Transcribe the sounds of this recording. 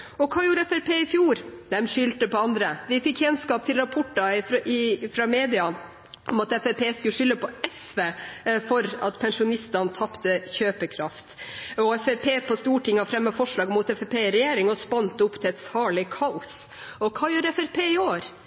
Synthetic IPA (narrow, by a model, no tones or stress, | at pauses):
ɔkʰɑːjuːɾɛfɛɾpʰeːɪfjuːɾd̪ɛmʂʏlt̪əpɔɑnd̪ɾəʋɪfɪkːjɛnskɑːpt̪ʰɪlɾɑpʰɔʈːɑɪɪfɾɑmeːd̪ɪɑ | ʔɔmɑt̪ɛfɛpʰeːskʉʂʏlːəpʰɔɛsʋeːfɔɾɑt̪pʰɛnʂʊnɪst̪ɑnt̪ʰɑpt̪əçøːpəkʰɾɑft̪ɔɛfɛpʰeːpʰɔst̪uːʈʰɪŋːɑfɾɛmːɑfɔʂɭɑːɡmuːt̪ɛfɛpʰeːɾɛjeːɾɪŋɔspɑnt̪əʊpːt̪ʰɪɛt̪sɑːɭɪkʰɑʊs | ɔkʰɑːjuːɾɛfɛɾpʰeːɪoːɾ